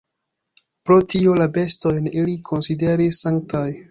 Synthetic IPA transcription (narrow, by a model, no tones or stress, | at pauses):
pɾo̞tio̞labe̞sto̞jnilikʰo̞nside̞ɾisːaŋk̚taj